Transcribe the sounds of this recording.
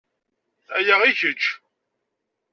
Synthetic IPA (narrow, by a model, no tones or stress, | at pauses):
æ̰jəʁiçət͡ʃː